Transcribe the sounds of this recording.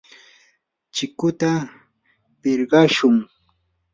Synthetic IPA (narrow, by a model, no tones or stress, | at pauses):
t͡ʃɪkʊt̪a | pɪɾɢɑʃʊŋ